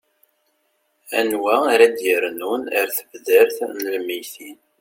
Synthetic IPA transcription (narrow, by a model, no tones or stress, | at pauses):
æ̰nwæɾæd̪jəɾnunəɾθəvðəɾθnəlmijθin